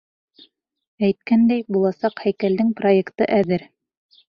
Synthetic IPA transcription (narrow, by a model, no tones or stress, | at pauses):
æjt̪̚kænd̪æjbulˠɑsɑqhæjkæld̪ɘŋproekt̪ɤ̰ʔæðɘɾ